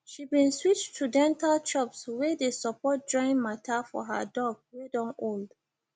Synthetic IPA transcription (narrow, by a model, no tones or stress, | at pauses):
ʃibĩnswit͡ʃtʰudɛ̃ntalt͡ʃʰɔpswedesɔpɔt̚d͡ʒɔ̃ɪ̃nmatʰafɔ̰ɦa̰dɔɡ̚wedɔ̃nold